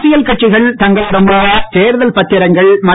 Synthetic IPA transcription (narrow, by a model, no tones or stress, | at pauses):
sɪjɐlkɐʈ̚t͡ʃɪɣɐɭt̪ɐŋɡɐɭɾɐmbɐːʋɐt̪eːɾɯðɐlpɐt̪ːɪɾɐŋɡɐɭmɐ